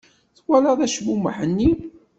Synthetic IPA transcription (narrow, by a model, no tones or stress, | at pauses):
θwæləðæʃmuməħənːi